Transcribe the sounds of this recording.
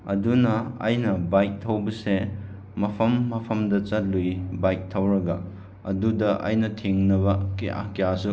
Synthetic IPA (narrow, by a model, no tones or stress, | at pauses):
ɐdunɐa̰jnɐbajk̚tʰɐwbɐse | mɐpʰɐmːɐpʰɐmdɐt͡ʃɐt̚lujbajk̚tʰɐwɾɐɡɐ | ɐ̰dudɐʔa̰jnɐtʰeŋnɐbɐkeʔa̰kejasu